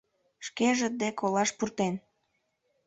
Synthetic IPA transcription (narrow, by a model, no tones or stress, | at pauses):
ʃkeʒə̆d̪ekʰolɑʃpurt̪en